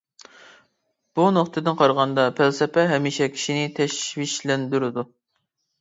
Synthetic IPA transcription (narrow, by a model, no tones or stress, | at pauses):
b̥unoχt̪ʰɨd̪ɨnqʰɑɾʁɑnd̪ɑpʰælsɛpɛɦɛmiʃɛkʲʰi̥ʃinɪt̪ʰɛʃwiʃlɛnd̪yɾɪd̪u